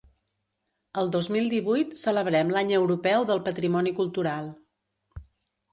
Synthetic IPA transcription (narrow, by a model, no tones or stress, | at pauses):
əlˠd̪ozmilˠd̪iβujt̪sələβɾɛmlaɲəwɾupɛwðəlˠpət̪ɾimɔnikulˠt̪uɾalˠ